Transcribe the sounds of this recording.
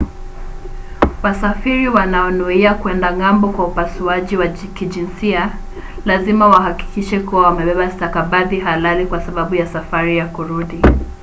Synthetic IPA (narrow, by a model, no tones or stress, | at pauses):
wasafiɾiwanaɔnuiakwɛndaŋambɔkwaupasuaʄiwakiʄinsia | lazimawaɦaki̥kiʃɛkuwawamɛɓɛɓastakaɓaðiɦalalikwasaɓaɓujasafaɾijakuɾuɗi